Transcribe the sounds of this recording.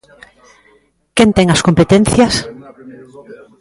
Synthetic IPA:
kɛnt̪ɛŋɐskompet̪ẽn̟θjɐs

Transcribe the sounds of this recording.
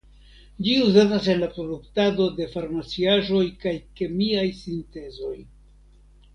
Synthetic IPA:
d͡ʒiuzatas̬e̞nlapɾo̞duktado̞de̞faɾmat͡siaʒo̞jkajke̞miajsinte̞zo̞j

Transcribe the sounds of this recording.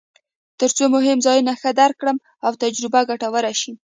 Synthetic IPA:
t̪əɾt͡somʊɦɪmzɑjunaxəd̪aɾkɽəm | awt̪ad͡ʒɾɪbaɡaʈawəɾaʃi

